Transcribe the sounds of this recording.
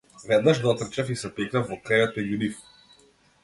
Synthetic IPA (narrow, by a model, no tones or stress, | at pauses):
vɛd̪naʒd̪ɔt̪r̩t͡ʃafisɛpɛknafvɔkɾajɔt̪̚mɛɟunif